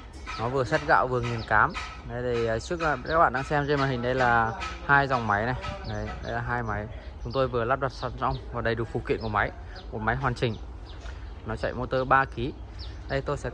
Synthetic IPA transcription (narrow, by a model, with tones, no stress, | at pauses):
nɔ˨˦vɨ˨˩əsə˦˥t̚ɣa̰ː˧˨wvɨ˨˩əŋi˨˩ənkaː˨˦m | ɗə˨˦jt̪i˧˩jt͡ɕɨ˦˥ək̚aː˦k̚ɓa̰ː˧˨ɗaː˧ŋsɛ˧mze˧nmaː˨˩hi˨˩ŋ̟ɗə˧jlaː˨˩haː˧jza˨˩wŋ͡mma˨˦jna˨˩jɗə˨˦jɗə̰˧˩jlaː˨˩ɦaː˧jma˨˦jt͡ɕʊ˨˦ŋ͡mt̪o˧jvɨ˨˩əlaː˦˥p̚ɗwa˨˩t̚sa˧za˧wŋ͡mvaː˨˩ɗə˨˩jɗɨ˨˩ək̚fṵ˨˧˩kwḭ˧˨ku˧˩ma˨˦j | ku˨˩ma˨˦jɦwaː˨˩nt͡ɕï˨˩ŋ̟ | nɔ˨˦t͡ɕa̰˧˨jmo˧t̪əː˧ɓaː˧ki˨˦ | ɗə˧jt̪o˧jsɛ̰˧˥